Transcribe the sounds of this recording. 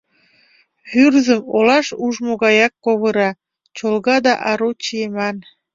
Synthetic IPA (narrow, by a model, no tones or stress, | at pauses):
hyrzəmolɑʃuʒmoɣɑjɑkːoβɤɾɑ | t͡ɕolɣɑd̪ɑʔɑɾot͡ɕiemɑn